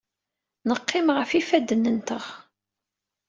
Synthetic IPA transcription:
nəqːɪmʁəfifæd̪ːənːənt̪əʁ

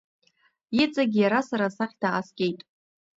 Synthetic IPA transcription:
it͡sʼaɡʲjaɾasaɾasaχʲd̥aasɡʲe̞jtʼ

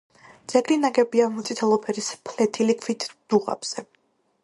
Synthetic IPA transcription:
d̪z̥ɛɡɾinaɡɛbiamut̪sʼit̪ʰɛlˠɔpʰɛɾispʰlɛt̪ʰilikʰvit̪ʰd̪̥uʁa̰b̥z̥ɛ

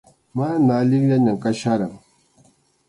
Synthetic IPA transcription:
manalikjaɲakaʃaɾaŋ

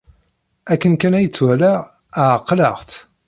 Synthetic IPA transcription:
ækːənkænæjət͡sːwælæ | əqːləʁt̪

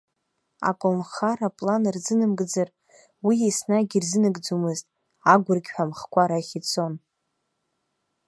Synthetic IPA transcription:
a̰kʼonχaɾapʼlanrzɨnɨmɡd͡zɨr | wiejsnaɡʲirzɨnɨɡʼd͡zumɨztʼ | aɡʷʊrɡʲħʷᶣamχkʷʰaɾaχʲit͡sʰo̞n

